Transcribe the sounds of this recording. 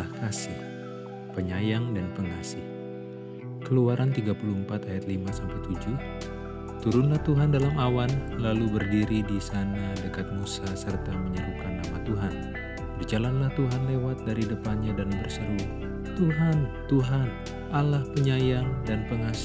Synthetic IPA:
ahkasɪh | pəɲajaŋdanpəŋasɪh | kəluaɾʔant̪iɡapuluəmpat̪ajat̪̚limasampajt̪ud͡ʒu | t̪uɾunlaht̪uɦandalamawanlalubərdiɾidisanadəkat̪̚musasərt̪aməɲəɾup̚kanːamat̪uɦan | bərd͡ʒalanlaht̪uɦanlewat̪̚daɾidəpanɲadanbərsəɾu | t̪uɦant̪uɦan | ʔalahpəɲajaŋdanpəŋas

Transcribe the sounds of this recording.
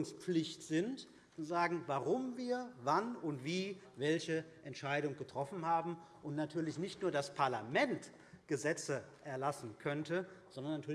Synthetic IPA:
ʊŋspp͡flɪçtz̥ɪnt | uzaːɡŋ̩vaʁʊmviːɐvanʊntv̥iː | vɛlçəʔɛntʃaɪɾʊŋɡətʁ̥ɔfn̩ɦaːbm̩ʔʊntnatʰyːɐlɪçnɪçtnuːɐdaspʰaɐlamɛnt | ɡ̥əzɛt͡səʔɛɐlasn̩kʰœntəz̥ɔndɐnatʰyːɐ

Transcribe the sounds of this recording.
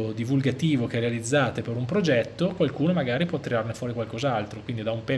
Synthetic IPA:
od̪ivulɡat̪iːvok̟ɛrealid̪zːaːt̪epeɾumpɾod͡ʒɛt̪ːokwalkuːnomaɡaːɾipwɔt̪ːiɾarnefwɔːɾikwalkozalt̪ɾokwind̪id̪aumpɛ

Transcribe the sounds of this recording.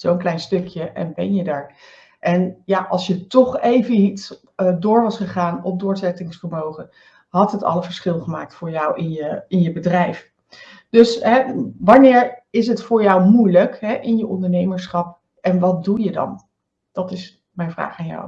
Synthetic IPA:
z̥ownklɛjnstɵkʰjəʔɛ̰nbɛ̰njədaːɹ | ʔɛnjaʔɑlˠsjətɔχejvəɦit | dʊːɹʋɑsχəχaːnɔp̚dʊːɹzɛtɪŋsfəɹmowχə | ɦɑtɦətɑ̰ləvəɹsχɪlˠχəmaːk̚tfʊːɹjɑwɪnjəɪnjəbədrɛjf | d̥ɵsɦɛʋɑnɪːɹɪs̬ɦətfʊːɹjɑwmujləkɦɛʔɪnjəʔɔndəɹnejməɹsχɑp̚ | ʔɛnʋɑt̚dujədɑ̰n | d̥ɑtɪs | mɛjnvra̰ːχaːnjɔ̰w

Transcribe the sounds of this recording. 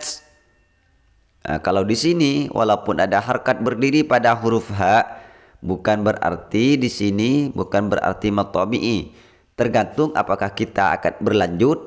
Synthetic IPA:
ə̰kalawdisiniwʔa̰laupʊnadaɦarkat̪̚bərdiɾipadaɦuɾufɦaʔ | bukanbəɾa̰rt̪idisinibukanbəra̰rt̪imat̪ːɔbiʔi | t̪ərɡant̪ʊŋʔa̰pakahkit̪a̰ːkat̪̚bərlaɲd͡ʒʊt̪̚

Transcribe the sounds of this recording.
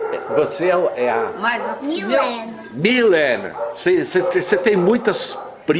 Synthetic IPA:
ɛvoseɛʔɛɐmajzomilɛn | milɛ̃nɐ̰seset̪eset̪ẽj̃mũj̃t̪ɐs | pɾ

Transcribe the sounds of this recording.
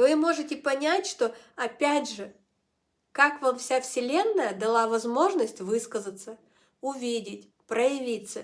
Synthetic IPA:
vɨmo̞ʐɨtʲɪpɐnʲætʲʂt̪o̞ɐpʲædʲʐɨ | kakvamfsʲafsʲɪlʲe̞nːəjəd̪ɐlˠavɐzmo̞ʐnəsʲtʲvɨskəzət̪sə | ʊvʲidʲɪt̚ʲ | pɾəjɪvʲit̪sːə

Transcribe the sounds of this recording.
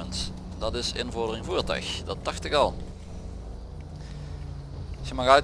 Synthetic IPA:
ənt | dɑtɪsɪ̰nvɔɹdərɪŋvuːɹtœ̰ɥxdɑtːɑxtɪkɑlˠ | səmɑxœɥt

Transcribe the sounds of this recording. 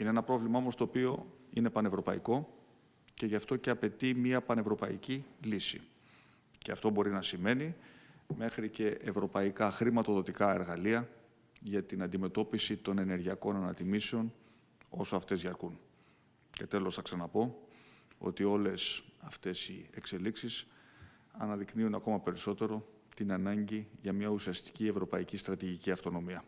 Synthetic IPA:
ineenɐpɾo̞vlimɐo̞most̪oːpio̞ine̞pɐne̞vɾo̞pɐiko̞ | ce̞ʝɐft̪o̞ce̞ɐpe̞t̪imiɐpɐne̞vɾo̞pɐicilisḭ | ceɐft̪o̞bo̞ɾinɐsime̞nime̞xɾice̞ʔevɾo̞pɐikɐxɾimɐt̪o̞ðo̞t̪ikɐe̞ɾɣɐliɐ | ʝɐt̪inɐnd̪ime̞t̪o̞pisit̪o̞ne̞ne̞ɾʝiɐko̞nɐnɐt̪imiseo̞n | o̞soɐft̪e̞zʝɐɾkun | ce̞t̪e̞lo̞sθɐksɐnɐpo̞ | o̞̰t̪io̞le̞sɐft̪e̞sie̞kse̞liksis | ɐnɐðikniunɐko̞mɐpe̞ɾiso̞t̪e̞ɾo̞ | t̪inɐnɐɲɟiʝɐmɲɐusiɐst̪i̥cie̞vɾo̞pɐicist̪ɾɐt̪iʝiciɐft̪o̞no̞miɐ

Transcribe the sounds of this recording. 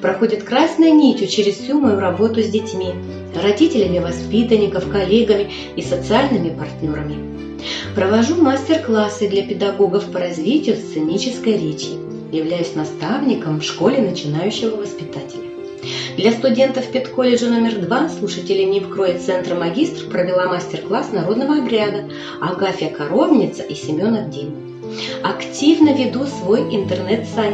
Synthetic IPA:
pɾɐxo̞dʲɪt̪kɾasnʊjʊnʲitʲʊt͡ɕeɾʲɪssʲumɐjuɾɐbo̞t̪ʊzʲdʲɪtʲmʲi | rɐdʲitʲɪlʲɪmʲɪvɐspʲit̪ənʲɪkəfkɐlʲe̞ɡəmʲɪ | isət̪sɨalʲnɨmʲɪpɐrtʲnʲo̞ɾəmʲɪ | pɾəvɐʐumasʲtʲɪrklˠasɨd̪lʲɐpʲɪd̪ɐɡo̞ɡəfpəɾɐzʲvʲitʲɪjʊst̪sɨnʲit͡ɕɪskəjɾʲet͡ɕɪ | jɪvlʲæjʉsʲnɐst̪avnʲɪkəmfʂko̞lʲɪnət͡ɕɪnajʉɕːɪvəvəspʲɪt̪atʲɪlʲə | d̪lʲɐst̪ʊdʲe̞nt̪əfpʲɪt̪ko̞lʲɪʐɨno̞mʲɪrd̪vaslˠuʂətʲɪlʲɪnʲɪfkɾojɪt̪sɛnt̪rəmɐɡʲist̪r̥pɾəvʲɪlˠamasʲtʲɪrklˠasnɐɾo̞d̪nəvəɐbɾʲad̪ə | ɐɡafʲɪɐkɐɾo̞bnʲɪt̪səʔisʲɪmʲo̞nɐd̪̚dʲenʲɪ | ɐktʲivnəvʲɪd̪usvo̞jɪnt̪ərnɛt̪sa

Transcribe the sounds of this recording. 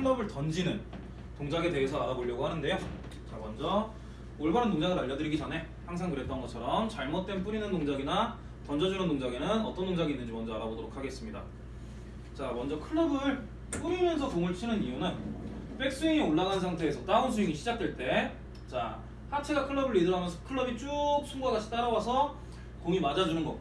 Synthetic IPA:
kʰɯɭːʌbɯɭtʌnd͡ʑinɯn | toŋd͡ʑaɡe̞de̞ɦe̞s̬ʰʌaɾaboʎːʌɡohanɯnde̞jo | t͡ɕamʌnd͡ʑʌ | oɭbaɾʌntoŋd͡ʑaɡɯnaʎːʌdɯɾiɡid͡ʑʌne̞ | haŋs̬ʰaŋkɯɾe̞t͈ʌnɡʌt͡ɕʰʌɾʌmt͡ɕaɭmʌt̚t͈we̞np̬͈uɾinɯntoŋd͡ʑaɡina | tʌnd͡ʑʌd͡ʑuɾʌntoŋd͡ʑaɡinɯnʌt͈ʌnːtoŋd͡ʑaɡinːɯnd͡ʑimwʌnd͡ʑʌaɾabodoɾokʰaɡe̞s͈ɯmɲida̰ | t͡ɕamʌnd͡ʑʌkʰɯɭːʌbɯɭ | k͈ɯmimjʌnsʰʌkoŋɯɭt͡ɕʰinɯnijunɯnp͈e̞k̚s͈uiŋioɭːaɡannsʰaŋtʰe̞ːsʰʌt͈auns̬ʰuiŋiɕʰid͡ʑak̚t͈weɭt͈e̞ | t͡ɕa̰ | hat͡ɕʰeɡakʰɯɭːʌbɯɭidɯɾɦamjʌnsʰʌkʰɯɭːʌbit͡ɕ͈ok̚sʰuŋɡaɡat͡ɕʰi̥t͈aɾawasʰʌ | koŋimad͡ʑad͡ʑunɯnɡʌ

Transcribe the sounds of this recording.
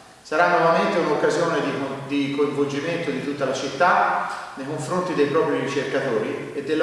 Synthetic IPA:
saɾanːɔvament̪eunokːazjoːned̪id̪ikoiɱvold͡ʒiment̪od̪it̪ut̪ːalat͡ʃit̪ːanejkoɱfɾont̪id̪ejpɾɔːpɾirɾit͡ʃerkat̪oːɾi | ed̪ːelː

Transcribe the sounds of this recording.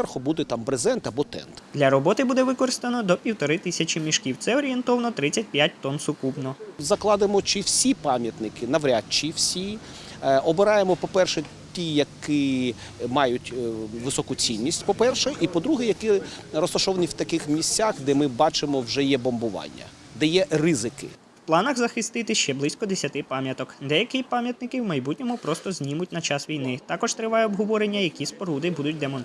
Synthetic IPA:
ɛrxɔbud̪ɛt̪ɑmbɾezɛnt̪ɐbɔt̪ɛ̰nt̪d̪lʲɐɾɔbɔt̪ɪbud̪ɛʋɪkɔɾɪst̪ɐnɔd̪ɔpʲiwt̪ɔɾɪt̪ɪsʲɐt͡ʃʲɪmʲiʃkʲiwt̪sɛɔɾʲient̪ɔʋɐnɔt̪ɾɪt͡sʲːɐt̚ʲpʲjat̚ʲt̪ɔnsʊkupnɔzɐklˠɑd̪ɪmɔt͡ʃiwsʲipɑmʲjɐt̪nɪkɪnɐʋɾʲat̪̚t͡ʃiwsʲi | ɔbɪɾɑjemɔpɔpɛrʃɛ | tʲijɐkɪ | mɑjʊtʲʋɪsɔkʊt͡sʲinʲːisʲtʲpɔpɛrʃɛʔipɔd̪ɾuɦɛjɐkɪɾɔst̪ɐʃɔʋɐniwt̪ɐkɪxmʲisʲt͡sʲaxd̪ɛmɪbɑt͡ʃɪmɔwʒɛjɛbɔmbʊʋɑ̰nʲːɐ̰ | d̪ɛjɛrɪzɪkɪ̰ | wplˠɑnɐɣzɐxɪst̪ɪt̪ɪʃt͡ʃɛblˠɪsʲkɔd̪esʲɐt̪ɪpɑmʲjɐt̪ɔkd̪ɛjɐkɪpɑmʲjɐt̪nɪkɪwmɐjbutʲnʲɔmʊpɾɔst̪ɔzʲnʲimʊtʲnɐt͡ʃɑsʋʲijnɪt̪ɑkɔʒt̪ɾɪʋɑjɛɔbɦɔʋɔɾenʲːɐjɐkʲispɔɾud̪ɪbud̪ʊt̚ʲd̪emɔnt̪

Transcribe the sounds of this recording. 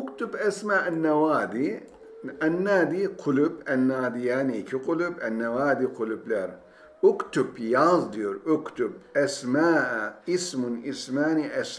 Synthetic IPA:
ʊkt̪ubasmaːʔanːawaːd̪i | ɐnːaːd̪iqʰʊlʊbɐnːaːd̪ijanikʰiqʊlʊbɐnːawaːd̪iqʰʊlublaɾ | ʔʊkt̪ubjazd̪iɾʔʊkt̪ub̚ʔɐsmaːʔismʊnʔismaːniʔas

